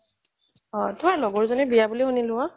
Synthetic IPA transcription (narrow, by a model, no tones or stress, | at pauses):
ɔ̃tʰʊalɔɡɔɹzɔnɛbijabulixonilʊa